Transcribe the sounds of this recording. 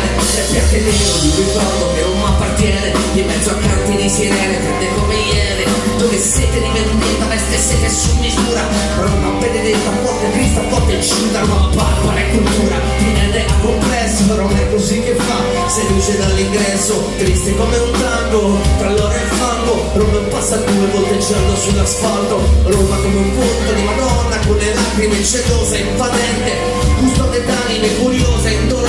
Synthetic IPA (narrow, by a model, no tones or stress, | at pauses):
ɛpːat̪ːed̪iosikit̪ad̪okeunoapːart̪jɛne | d̪imːɛd̪zːoakːant̪id̪isɛɾɛnefɛnd̪ekomejːɛːɾe | d̪oveset̪ed̪ivend̪et̪alest̪esːekesːumːizuːɾa | anonapːened̪et̪ːafɔrt̪et̪ɾist̪afɔrt̪ːet͡ʃːind̪akapakalɛkːult̪uːɾa | kinend̪ɛkomplɛsːoɾonɛkːozik̟ːefːa | sed̪ut͡ʃed̪alːiŋɡɾɛsːo | t̪ɾist̪ekomeunt̪aŋɡot̪ɾalːoːɾaefalːo | ɾomeumpasːad̪uːevɔlt̪ed͡ʒɛlːosulːasfalt̪oɾomakomeupont̪ad̪imad̪ɔnːakonːelaːkɾimet͡ʃːeloːzeepat̪ɛnt̪e | kust̪ɔd̪ed̪animekuɾjoːzeint̪oɾ